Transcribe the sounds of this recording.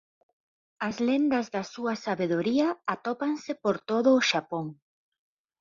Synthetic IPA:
ɐzlend̪ɐzðɐsuɐsaβeðoɾiɐat̪opaŋsɪpoɾt̪oðʊːʃapoŋ

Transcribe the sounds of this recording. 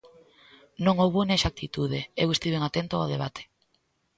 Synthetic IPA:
nõŋowβoneʃak̚t̪it̪uð̞eewest̪iβeŋat̪ent̪oa̰ðeβ̞at̪ʰe̥

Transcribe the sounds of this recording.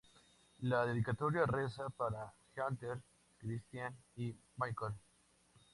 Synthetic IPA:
laðeðikat̪oɾjaresapaɾaxjant̪eɾ | kɾist̪janimajkol

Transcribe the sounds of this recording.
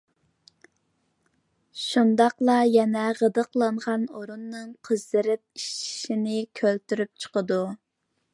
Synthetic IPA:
ʃund̪ɑqlˠɑjɛnɛʁəd̪əqlˠɑɴʁɑnoɾunːɨŋqʰəzd̪ɨɾɪp̚iʃʃinɪkʲʰølt̪yɾyp̚t͡ʃʰə̥qəd̪u

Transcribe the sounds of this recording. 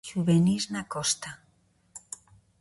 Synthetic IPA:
ʃuβeniznakost̪a

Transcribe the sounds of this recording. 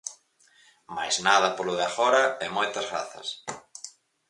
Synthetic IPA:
majznaðɐpolʊðeafɔɾɐɛmɔjt̪ɐzɣɾa̰θɐ̰s

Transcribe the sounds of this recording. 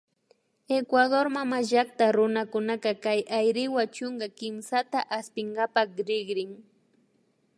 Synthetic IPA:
ekwad̪oɾmamaʒak̚t̪aɾʊnakʊnakɑkajʔajɾɪwat͡ʃoŋɡakɪmsat̪aʔaspɪɴɡapaχɾɪɡɾɪŋ

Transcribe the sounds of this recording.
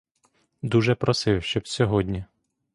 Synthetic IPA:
d̪uʒɛpɾɔsɪwʃt͡ʃɔbsʲɔɦɔdʲnʲi

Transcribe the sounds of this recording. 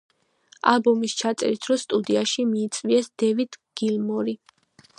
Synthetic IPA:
a̰lˠbɔmist͡ʃʰat̪sʼɛ̰ɾit̪ʰɾɔst̪ʼud̪iaʃimiːt̪sʼviɛsd̪̥ɛvid̪ʰɡ̥ilmɔɾi

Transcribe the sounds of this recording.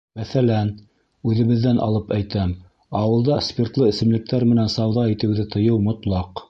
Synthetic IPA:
mæθælæn | ʉðɘ̆βɘ̆ðːænʔɑ̰lˠɤpæjt̪æm | ɑwɤ̆lˠd̪ɑspʲert̪lˠɤɘ̆sɘ̆mlɘ̆k̚t̪æɾmɘ̆nænsɑwðɑit̪ɘ̆wðɘt̪ʰɤ̆jɤwmŏt̪lˠɑq

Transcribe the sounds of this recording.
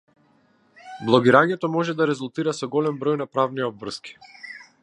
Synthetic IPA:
blˠɔɡiɾaɲɛt̪ɔmɔʒɛd̪aɾɛzulˠt̪iɾasɔɡɔlɛmbɾɔjnapɾavniɔb̪vr̩ski̥

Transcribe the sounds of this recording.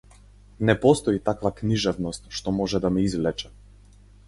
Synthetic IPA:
nɛpɔst̪ɔit̪akvakniʒɛvnɔst̪ʃt̪ɔmɔʒɛd̪amɛizlɛt͡ʃɛ̥

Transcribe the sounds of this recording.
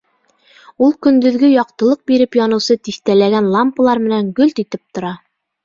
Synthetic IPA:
ulˠkɵ̆nd̪ɵ̆ðɡɵjɒq̚t̪ɤ̆lˠɤq̚biɾɘpjɒnɤ̆wsɤt̪ixt̪ælæɡænlˠampə̆lˠɑɾmɘ̆næŋɡɵlt̪it̪ɘp̚t̪ŏɾɑ

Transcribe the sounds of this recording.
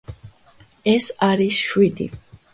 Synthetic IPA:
ɛsaɾisʃwid̪ḭ

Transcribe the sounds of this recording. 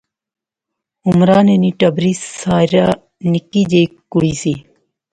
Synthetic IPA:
umɾaːneniʈɐbɾisaːɾaː | nikiːd͡ʑeikuɽiːsi

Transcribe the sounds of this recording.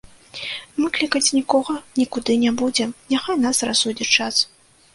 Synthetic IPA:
mɨklʲikɐt͡sʲnʲikɔɣɐnʲikud̪ɨnʲɛbud͡zʲɛnʲaxajnasrasud͡zʲit͡ʂas

